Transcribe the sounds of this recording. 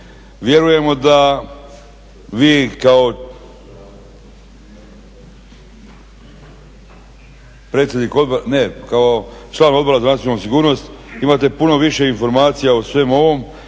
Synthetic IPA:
ʋje̞ɾuje̞mo̞d̪a | ʋiːkao̞ | pɾet̪sje̞d̪niko̞d̪̚boɾne̞kaot͡ʃlˠaːno̞d̪bo̞ɾazanat̪sjonusiɡuːɾno̞st̪imat̪e̞puno̞ʋiʃe̞info̞ɾmaːt̪sijaosʋe̞ːmo̞ʋo̞m

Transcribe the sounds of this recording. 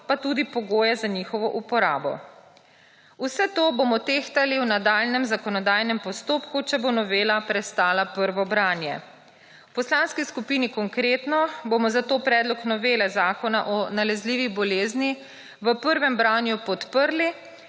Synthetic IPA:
pat̪ud̪ipɔɡoːjɛzaɲiːxɔʋɔʔupɔɾaːbɔ̰ | usɛt̪oːbomɔt̪eːxt̪aliwnad̪aːlnɛmzakɔnɔd̪aːjnɛmpɔst̪oːpkut͡ʃɛbonɔʋeːlapɾɛst̪aːlapəɾʋɔbɾaːnjɛ̰ | wpɔslaːnskiskupiːnikɔŋkɾeːt̪nɔbomɔzat̪oːpɾɛːd̪lɔknɔʋeːlɛzaːkɔnaʔɔnalɛzliːʋibɔleːzni | ʋəpəɾʋɛmbɾaːnjupɔt̪pəɾli

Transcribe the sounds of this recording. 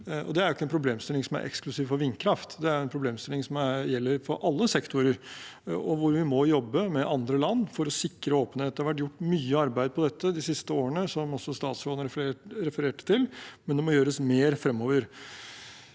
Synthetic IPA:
ɔ̰d̪ɛæɾjʊɪkːəɛnpʰɾʊbleːmst̪ɪlɪŋsɔmæ̰ɾʔɛ̰ksklʉsiːʋfɔɾʋɪnːkʰɾɑft̪d̪ɛæɾʊɛnpʰɾʊbleːmst̪ɪlɪŋsɔmæɾjɛlːəɾfɔɾʔɑlːəsɛkt̪ʰʊɾəɾ | ɔʋʊɾʋɪmɔjɔbːəmɛʔɑnd̪ɾəlɑnːfɔɾɔsɪkːɾəoːpənheːt̪̚d̪ɛhɾʋæʈ̬jʊʈːmyːəɑɾbæɪd̪̚pʰɔd̪ɛt̪ʰːəd̪ɪsɪst̪əoːɾənəsɔmɔsːɔst̪ɑːt̪sloːd̪nəɾɛɾɛfəɾeːʈə̥t̪ʰɪlmɛnd̪ɛmɔjøːɾəsmeːɾfɾɛmːoːʋəɾ

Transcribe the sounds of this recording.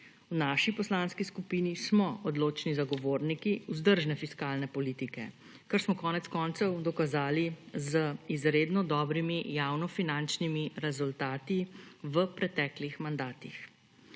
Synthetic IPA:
wnaːʃipɔslaːnskiskupiːnismɔɔd̪loːt͡ʃnizaɡɔʋoːɾnikiuzd̪əɾʒnɛfiskaːlnɛpɔliːt̪ikɛ̰ | kəɾsmɔkɔːnɛt̪skɔːnt̪sɔwd̪ɔkazaːlizəizɾeːd̪nɔd̪ɔːbɾimijaːwnɔfinant͡ʃnimiɾɛzult̪aːt̪iʋəpɾɛt̪ɛːklixmand̪aːt̪ix

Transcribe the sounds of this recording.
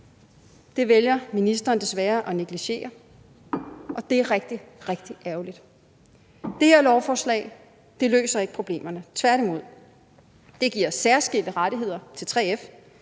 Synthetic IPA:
d̥e̝ʋeljɐminisd̥ɐːnd̥e̝sʋæːɐʔɒ̽ne̝ɡ̥liɕe̝̰ːɐ | ʔɒ̽d̥e̝æɐʁɛɡ̥̚d̥iʁeɡ̥d̥iʔæɐʊlid̥ | d̥e̝heɐlɒʊfɒːslɛ̰ːɪ | d̥e̝lø̰ːsɐe̝ɡ̥əpʰʁo̝b̥le̝̰ːmɐnət͡sʰʋæɐɾ̥imo̝ð̞̰ˠ | d̥e̝ɡ̥iɐ̰sæɐsɡ̥el̰d̥əʁɑɾ̥iɦe̝ð̞̰ˠɐt͡sʰe̝lt͡sʰʁeːef

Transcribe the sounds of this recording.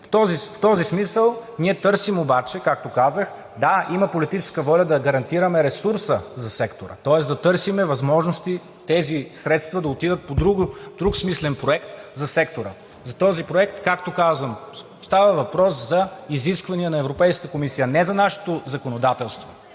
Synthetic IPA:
ft̪ɔzift̪ɔzismisəlˠniɛt̪ɤɾsimobat͡ʃɛkak̚t̪okazəx | d̪aimɐpolit̪it͡ʃɛ̥skəvɔlʲɐd̪ɐɡɐɾɐnt̪iɾəmɛɾɛsuɾsəzɐsɛkt̪oɾə̰t̪ɔɛsd̪ɐt̪ɤɾsimɛvɐzmɔʒnost̪i | t̪ɛzisɾɛt̪st̪vɐd̪ɐot̪id̪ət̪̚pod̪ɾuɡd̪ɾuksmislɛnpɾoɛkt̪zɐsɛkt̪oɾə | zɐt̪ɔzipɾoɛkt̪kakt̪okazvəm | st̪avɐvɐpɾɔszɐiziskvɐniənɐɛvɾopɛjskət̪əkomisijənɛzɐnaʃɛ̥t̪ozɐkonod̪at̪ɛlˠst̪vo

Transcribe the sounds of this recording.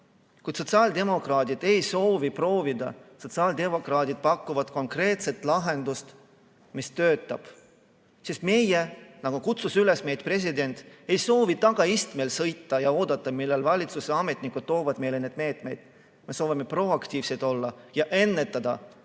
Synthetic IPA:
kujt̪so̞t̪sɑːld̪e̞mo̞krɑːd̪id̪̥e̞jso̞ːvipro̞ːvid̪ɑso̞t̪sɑːld̪e̞mo̞krɑːd̪id̪̥̚pɑkːuvɑd̪̥ko̞ŋkre̞ːt̪se̞t̪ˑlɑɦe̞nd̪̥ust̪ | mist̪ø̞ːt̪ːˑɑb̥ | sisme̞jenɑɡ̥ukut̪susyle̞sme̞jt̪pre̞s̬ʲid̪e̞nʲt̪ˑe̞jso̞ːvit̪ɑɡ̥ɑist̪melsɤ̞jt̪ːɑjɑo̞ːd̪̥ɑt̪ːˑɑmilːelvɑlʲit̪suseɑme̞t̪ˑnikːud̪̚t̪ːo̞ːvɑd̪̥me̞jlened̪̥̚me̞ːt̪me̞jd̪̥ | me̞so̞ːvime̞pro̞ɑkt̪iːvse̞jt̪o̞lːɑjɑʔe̞nːe̞t̪ːˑɑd̪̥ɑ̰

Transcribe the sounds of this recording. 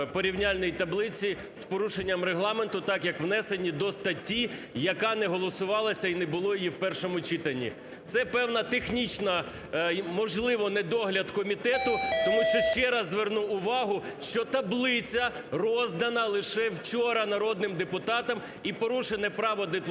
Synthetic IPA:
pɔɾʲiwnʲalʲnɔjit̪ɐblˠɪt͡sʲi | spɔɾuʃenʲːɐmɾeɦlˠɑment̪ʊt̪ɑkjɐkʋnɛsenʲːid̪ɔst̪ɐtʲːi | jɐkɑnɛɦɔlˠɔsʊʋɑlˠɐsʲɐinebʊlˠɔjjiwpɛrʃɔmʊt͡ʃit̪ɐnʲːḭ | t̪sɛpɛwnɐt̪exnʲit͡ʃnɐ | mɔʒlˠɪʋɔnɛd̪ɔɦlʲɐd̪kɔmʲit̪ɛt̪ʊt̪ɔmuʃt͡ʃɔʃt͡ʃɛɾɐzːʋernuʊʋɑɦʊʃt͡ʃɔt̪ɐblˠɪt͡sʲɐ | rɔzd̪ɐnɐlˠɪʃɛwt͡ʃɔɾɐnɐɾɔd̪̚nɪmd̪epʊt̪ɑt̪ɐm | ipɔɾuʃenɛpɾɑʋɔd̪ep

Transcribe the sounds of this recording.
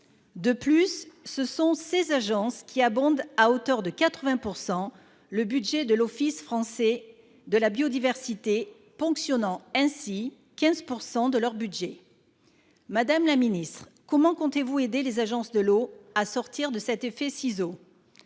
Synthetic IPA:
d̪əplysːəsɔ̃sezaʒɑ̃skʲiabɔ̃d̪aot̪œʁd̪əkat̪χəvɛ̃puʁsɑ̃ | ləbyd̪ʒɛd̪əlɔfisfχɑ̃sɛ | d̪əlabjod̪ivɛʁsit̪e | fɔ̃ksjɔnɑ̃ɛ̃si | kʲɛ̃zpuʁsɑ̃d̪əlœʁbyd̪ʒe | mad̪amlaminist̪χ | kɔmɑ̃kɔ̃t̪evued̪elezaʒɑ̃sd̪əloasɔʁt̪iʁd̪əsɛt̪efɛsizo

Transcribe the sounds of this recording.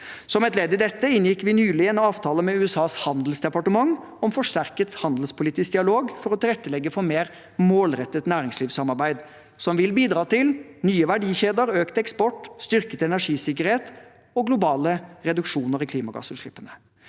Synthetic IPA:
sɔmɛt̪leːd̪ɪd̪ɛt̪ːəɪnjɪkʋɪnyːlɪənɑːʋt̪ʰɑːləmɛʉːɛsɑːshɑnd̪əl̩sd̪ɛpɑʈəmɑŋ | ɔmfɔʂtæɾkət̪hɑnd̪l̩spʰʊliːt̪ɪsk̚d̪ɪɑloːɡfɔɾɔt̪ʰɪlɛt̪ːəlɛɡːəfɔɾmeːɾ | moːlɾɛt̪ːət̪næːɾɪŋsliːʋsɑmɑɾbæɪd̪ | sɔmʋɪlbiːd̪ɾɑːt̪ɪlnyːəʋæɖiːçeːd̪əɾøːkt̪əɛkspɔʈst̪ʏɾkət̪ɛnæʂiːsɪkːəɾheːt̪ | ɔɡlʊbɑːləɾɛd̪ʉkʂuːnəɾɪkʰliːmɑɡɑ̰ːsʉʂɭɪ̰pːənə

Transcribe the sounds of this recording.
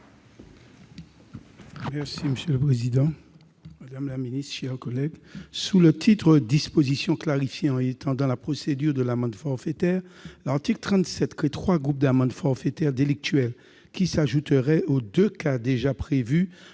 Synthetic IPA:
mɛʁsiməsjøləpχezid̪ɑ̃ | mad̪amlaminist̪ʃɛʁkɔlɛɡsulət̪ʰit̪χəd̪ispozisjɔ̃klaʁifjeɑ̃et̪ʰɑ̃d̪ɑ̃lapχosed̪yʁd̪əlamɑ̃d̪fɔʁfet̪ɛʁlaʁt̪iklt̪χɑ̃t̪sɛt̪kʰet̪χwaɡʁup̚d̪amɑ̃d̪fɔʁfet̪ɛʁd̪elik̚t̪ɥɛl | kʲisaʒut̪əʁɛod̪økad̪eʒapχevy

